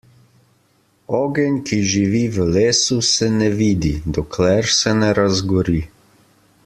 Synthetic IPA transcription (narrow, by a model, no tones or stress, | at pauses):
ɔːɡɛnʲkʰiʒiʋiʋəleːsusɛnɛʋiːd̪id̪ɔkʰlɛɾsɛnɛɾazɡɔɾi